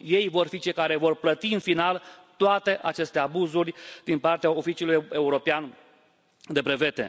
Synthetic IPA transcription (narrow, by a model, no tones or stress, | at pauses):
je̞jvo̞rfit͡ʃejkaɾe̞vo̞rplət̪iɨnfinalt̪oat̪e̞ʔat͡ʃe̞st̪e̞abuzurʲd̪̥inpart̪eaofit͡ʃiuluje̞uɾo̞pean | d̪e̞pɾe̞ve̞t̪e̞̰